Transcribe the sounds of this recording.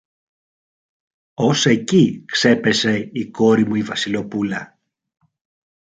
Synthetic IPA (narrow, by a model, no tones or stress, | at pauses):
o̞se̞cikse̞pe̞se̞iko̞ɾimuivɐsilo̞pulɐ